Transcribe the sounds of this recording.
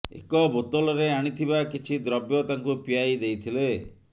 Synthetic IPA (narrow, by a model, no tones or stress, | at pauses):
ḛkɔbot̪ɔlɔɾeaɽ̃it̪ʰibakit͡ʃʰid̪ɾɔbjɔt̪aŋkupijajd̪ejt̪ʰile